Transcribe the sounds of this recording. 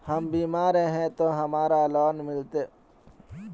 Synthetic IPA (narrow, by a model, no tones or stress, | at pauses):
hɐmbiːmaːɾeɦɛ̃t̪oɦɐmaːɾalɔːnmɪlt̪eː